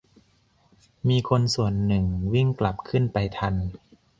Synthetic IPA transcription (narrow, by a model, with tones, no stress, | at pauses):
miː˧kʰo˧nsu˨˩ənːɯ˨˩ŋwi˥˩ŋkla˨˩p̚kʰɯ˥˩npa˧jt̪ʰa˧n